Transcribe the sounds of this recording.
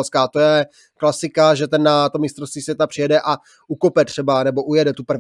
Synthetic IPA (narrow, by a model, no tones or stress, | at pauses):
lskaːt̪o̞jɛ | klasɪkaʒɛt̪ɛnːat̪omɪst̪ɾost̪viːsvjɛt̪apr̥ɪjɛdɛʔa | ukopɛt̪r̥ɛbanɛbo̞ʔujɛdɛt̪upr̩v